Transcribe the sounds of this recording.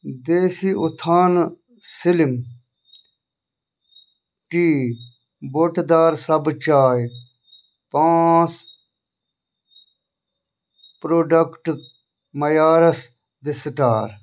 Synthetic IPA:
d̪eːsiut̪ʰaːn | silim | ʈiː | boʈd̪aːɾsɐbt͡ʃaːj | pãːt͡s | pɾoːɖɐkʈ | mɐjaːɾɐs | d̪esʈaːɾ

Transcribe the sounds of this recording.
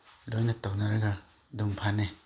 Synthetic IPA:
lojnɐtawnaɾɐɡɐ | duŋpʰane

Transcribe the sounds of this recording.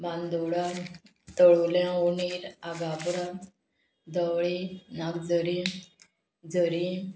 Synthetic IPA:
bãnd̪oɽa | t̪əɭolãuniɾaɡapɽa | d̪əwɭinaɡd͡zəɾi | d͡zəɾĩ

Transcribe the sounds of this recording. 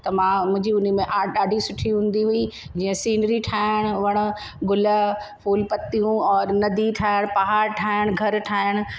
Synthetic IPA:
t̪ɐmãmʊ̃ɦɪ̃ɲd͡ʑiʊnmẽʔaːɗaːɖʱisʊʈʰiɦũːn̆d̪iɦuid͡ʑiːə̃siːnɾiʈʰaːɪɪəɽ̃ʋɐɽ̃ʊ̆ | ɡʊlə̆pʰuːlpɐt̪ːijũɔːɾnɐd̪iʈʰaːɪəɽ̃pɐɦaːɾʈʰaːəɽ̃ɡʱɐɾʈʰaːɪɽ̃

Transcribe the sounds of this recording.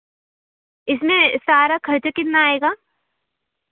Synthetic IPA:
ɪsmẽsaːɾakʰɐɾt͡ʃəkɪt̪naːeːɡaː

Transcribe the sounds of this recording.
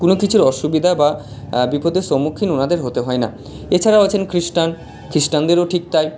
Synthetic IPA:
konokit͡ɕʰuɾɔʃubid̪ʱababipod̪ʱeʃomːukʰːinonad̪eɾɦot̪eɦɔena̰ | et͡ɕʰaɾaoet͡ɕʰenkɾiʃʈan | kɾisʈand̪eɾoʈʰik̚t̪aj

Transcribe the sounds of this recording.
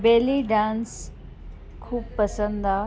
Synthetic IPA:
beːliɖãːns | kʰuːbpɐsə̃nd̪aː

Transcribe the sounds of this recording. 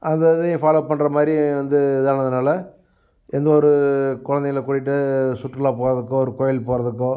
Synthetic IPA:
ʔɐnd̪ɐðɯ̃faːloːpɐɳːrɐmaːd̪ɾiʋɐnd̪ɯɪðaːnɐðɯnaːlɐ | ɛnd̪ɐɔɾɯkɔɻɐnd̪ɐjɐlɐkʊɽɪʈːɯsʊʈːrɪlãːpoːɾɐðɯkːʊ̃ɔɾɯkɔːjɐlpoːɾɐðɯkːʊ̃

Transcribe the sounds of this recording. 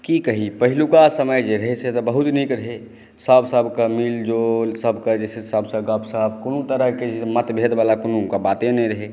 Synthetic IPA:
kikəɦipəɦilukasəməjd͡ʒeɾəɦeset̪ɔbəɦut̪nikɾəɦe | səbʱsəbʱkemild͡ʒolsəbʱkəd͡ʒɛsesəbsə̃ɡəbsəbkonut̪əɾəɦked͡ʒemət̪bʱed̪balakonukabat̪ẽnɛ̃ɾəɦe

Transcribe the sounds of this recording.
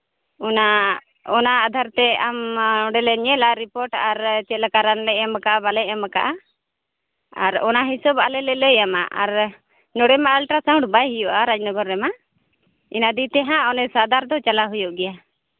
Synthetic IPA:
ɔna | ɔnaːd̪ʱaɾt̪ɛamɔɖɛlɛɲɛlaɾipɔɾʈaɾt͡ʃɛt̪̚ləkaɾanlɛɛmakaʔabalɛɛmakaʔa | a̰ɾɔ̰naɦisɔbalɛlɛləjama̰ʔaɾ | nɔɽɛmaalʈasaw̃ʈbajɦujɔʔaɾad͡ʒnɔɡɔɾːɛma | inad̪it̪ɛɦãɔnɛsad̪aɾd̪ɔt͡ʃalaɦujɔʔɡɛja

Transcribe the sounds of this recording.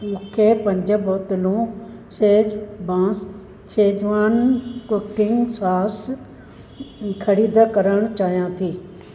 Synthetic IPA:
mũːkʰepɐ̃ɲd͡ʑə̆boːt̪ɪlũsebãː | t͡ʃʰeːd͡ʑʋaːnkʊkɪŋɡsaːs | kʰɐɾiːd̪əkɐɾəɽ̃t͡ɕaːɦijãt̪ʰiː

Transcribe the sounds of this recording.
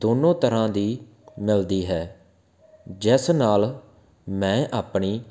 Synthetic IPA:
d̪oːnõːt̪əɾãːd̪iː | mɪld̪iːɦɛː | d͡ʒɛːsnaːl | mɛ̃ːʔaːpɳiː

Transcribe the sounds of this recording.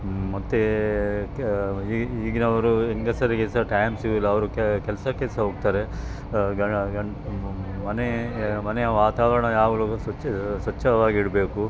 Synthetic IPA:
mɐt̪ːe | iːɡinɐʋɐɾueŋɡɐsɐɾikɛlsɐʈɐjmsiʋlːɐɐʋɐɾukkɛlɐsɐkɛlsɐɦoːɡ̚t̪aːɾe | ɡɐɡɐɳ | mɐnemɐnejɐʋaːt̪aːʋɐɾɐɳɐjaːɡɐlusɐsɐt͡ʃːɐʋaːɡiiɽbeːku

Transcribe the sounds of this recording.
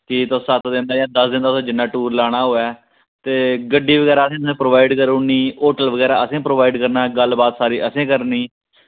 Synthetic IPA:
kɪt̪osət̪ʰd̪ɪnd̪aːjãːd̪əsd̪ɪnd̪aːsẽːd͡ʒɪnːaːʈuːɾlaːɽ̃aːɦoːɛː | t̪eːɡəɖːiːʋəɡɛːɾaːəsẽːt̪sẽːpɾoːʋaːɪɖkəɾoniːoːʈəlʋəɡɛːɾa̰ːəsẽːpɾoːʋaːɪɖkəɾnaːɡəlbaːt̪saːɾiːʔəsẽːkəɾniː

